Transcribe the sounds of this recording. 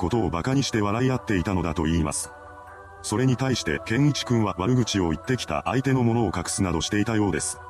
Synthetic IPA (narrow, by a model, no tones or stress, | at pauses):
ko̞t̪o̞ːbakaɲ̟iɕi̥t̪e̞β̞aɾaiat̪ːe̞it̪ano̞d̪at̪o̞iːma̰sɨ̥ | so̞ɾe̞ɲ̟it̪aiɕi̥t̪e̞̰kẽ̞ŋit͡ɕi̥kɯ̟̃ɰ̃βaβaɾɯ̟ɡɯ̟t͡ɕio̞it̪ːe̞kʲi̥t̪a̰ʔait̪e̞no̞mo̞no̞ːkakɯ̥sɨnad̪o̞ɕi̥t̪e̞it̪ajo̞ːd̪e̞sɨ̥